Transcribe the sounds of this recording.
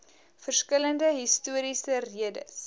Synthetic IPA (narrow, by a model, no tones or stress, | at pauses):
fərskələndəɦistuəɾisəriədə̰s